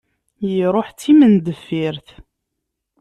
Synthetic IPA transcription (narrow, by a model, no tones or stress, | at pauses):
jiɾˤoħt͡sːimənd̪əfːiɾθ